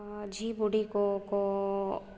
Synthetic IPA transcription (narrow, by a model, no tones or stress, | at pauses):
d͡ʒiːbuɽikoko